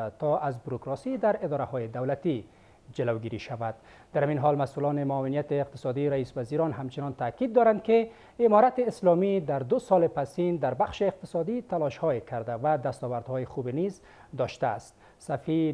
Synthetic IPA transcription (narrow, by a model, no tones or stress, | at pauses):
t̪ɔazbuɾukɾɔsid̪aɾɪd̪ɒɾahɔjɪd̪awlat̪i | d͡ʒɪlawɡiɾiʃavad̪ | d̪aɾhaminɦɔlmasulɔnɪmʊːwɪnijat̪ɪːq̚t̪ɪ̥sɔd̪iɾaispaziɾɔnɦamt͡ʃɪnɔnt̪akid̪ːɔɾand̪̚kɪ | ɪmɔɾat̪ɪːslɔmid̪aɾd̪ʊsɔlepasind̪aɾbaχʃeːq̚t̪ɪsɔd̪it̪alɔʃhɔekʰaɾd̪avad̪ast̪ɔwaɾd̪hɔjɪχubeniz | d̪ɔʃt̪aːst̪̚ | safi